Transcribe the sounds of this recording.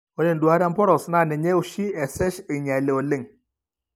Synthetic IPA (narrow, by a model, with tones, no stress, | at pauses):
ɔ˨le˦˨ndu˨a˦ɾa˦mpɔ˦ɾɔ˨sna˦˨nɛ˨ɲe˦u˦˨ʃi˦ɛ˨sɛ˦ʃi˨ɲa˨le˨o˨le˦˨ŋ